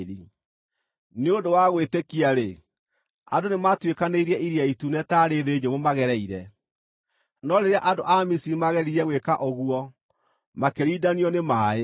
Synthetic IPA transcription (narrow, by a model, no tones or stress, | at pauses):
ɾi | neodowaɣwetekiaɾe | a̰donematwekaneiɾiɛʔiɾiaitunɛtaːɾeðeɲemomaɣɛɾɛiɾɛ | nɔɾeɾeaʔadoʔamisimaɣɛɾiɾɛɣwekaʔoɣuɔ | makeɾiːdaniɔnemaːe